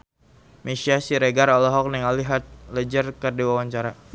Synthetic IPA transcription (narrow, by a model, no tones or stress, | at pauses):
mesiasiɾeɡaɾɔlɔɦɔk̚niŋaliɦat̪̚ləd͡ʒərkərdiwawaɲt͡ʃaɾa